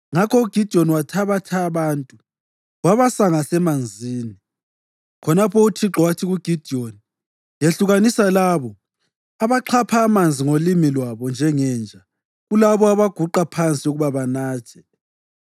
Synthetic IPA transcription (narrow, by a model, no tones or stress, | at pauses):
ŋakʰɔuɡ̥ʱid̥ʱiɔniwatʰaβatʰaːβaːntʼu | waβasaŋasɛmand͡zʱiːni | kʰɔnapʰɔutʰiǁɔwatʰiɣuɡ̥ʱid̥ʱioni | jeɬuɣanisalaːβɔ | aβaǃʰapʰaːmand͡zʱiŋolimilwaβɔnd͡ʒʱɛŋɛnd͡ʒʱa | ɣulaβɔaβaɡ̥ʱuǃapʰant͡sʼiuɣuβaβanaːt͡ʃʰɛ̥